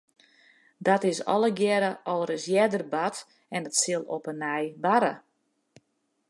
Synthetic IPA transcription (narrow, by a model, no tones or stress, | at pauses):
datɪsɔ̰lˠəɡjɛɾəʔɔlˠərɪsjɛdərbat | ɛnətsɪlˠopənɛjbaɾə̰